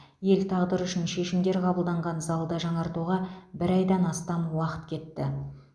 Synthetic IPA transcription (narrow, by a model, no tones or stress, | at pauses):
je̞lt̪ʰɑʁd̪əɾʏʃɪnʃe̞ʃɪmd̪e̞ɾqʰɑbəlˠd̪ɑɴʁɑnzɑlˠd̪əʒɑɴɑɾt̪uʁɑbɪɾɑjd̪ɑnɑst̪ɑmwɑqə̥t̪kʲʰe̞t̪ːɪ